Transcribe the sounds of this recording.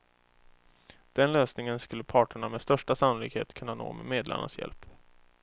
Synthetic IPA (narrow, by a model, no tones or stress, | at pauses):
d̪̥ɛnløːsnɪŋənskɵlːəpʰɑːʈəɳamɛst̪œʂʈasanʊlɪɡhḛːt̪kʰɵnːano̰ːmɛ̰meːd̪la̰ɳa̰sjɛ̰lp